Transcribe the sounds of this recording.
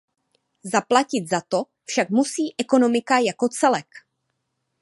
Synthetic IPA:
zaplacɪt̪zat̪o̞ | fʃakmusiːʔɛko̞no̞mɪkajako̞t͡sɛlɛk

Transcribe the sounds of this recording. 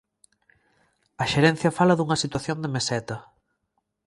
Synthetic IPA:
ɐʃeɾɛn̟θjɐfalɐðuŋɐsit̪waθjond̪emesɛt̪ɐ

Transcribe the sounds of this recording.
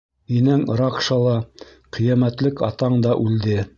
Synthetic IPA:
inæŋɾɑkʃɑlˠɑ | qʰĭjæmæt̪lɘkɑ̰t̪ɑɴd̪ɑʔʉld̪ɘ

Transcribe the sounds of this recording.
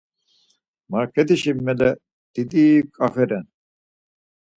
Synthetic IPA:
maɾkʰet̪iɕimːelɛ | d̪̥id̪ikʼafɛɾɛn

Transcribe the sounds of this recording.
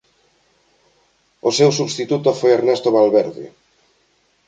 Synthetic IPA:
osewsuβst̪it̪ut̪ofojeɾnest̪oβalβeɾðɪ̰

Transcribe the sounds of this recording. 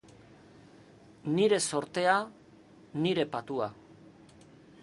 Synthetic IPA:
niɾe̞so̞ɾt̪e̞a | niɾe̞pat̪ua

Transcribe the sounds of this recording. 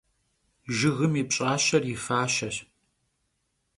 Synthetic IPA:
ʒɨɣɨmipɕʼaːɕɐrjɪfaːɕɐr

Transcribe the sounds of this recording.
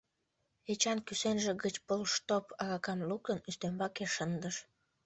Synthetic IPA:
et͡ɕɑnkysenʒĕɣət͡ɕpolʃt̪opɑɣɑkɑmluk̚t̪ənyst̪embɑkeʃənd̪əʃ

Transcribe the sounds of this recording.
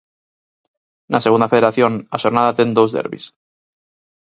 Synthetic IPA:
naseɣund̪afeðeɾaθjo̞naʃoɾnaðat̪end̪owzðḛɾβḭs

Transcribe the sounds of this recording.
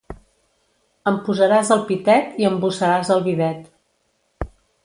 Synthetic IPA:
əmpuzəɾazəlˠpit̪ɛt̪iəmbusəɾazəlˠβiðɛt̪

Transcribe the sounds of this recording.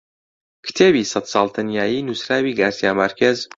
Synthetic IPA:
kʰɨ̥t̪ʰeːbiːsɐt̪sɑːlˠt̪ʰanjaːjiːnusɾaːwiːɡaːsjaːmɐɾkʰez

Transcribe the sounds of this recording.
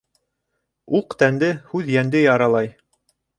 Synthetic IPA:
uqt̪ænd̪ɘhʉðjænd̪ɘjɑɾɑlˠɑj

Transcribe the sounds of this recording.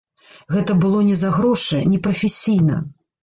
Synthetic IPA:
ɣɛt̪ɐbɨlˠɔnʲɛzaɣɾɔʂɨnʲɛpɾɐfʲesʲijnɐ̰

